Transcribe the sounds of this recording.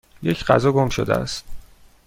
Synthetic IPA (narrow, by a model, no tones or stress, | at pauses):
jecʰɢæzɒːɡomʃo̰d̪ḛæ̰st̪̚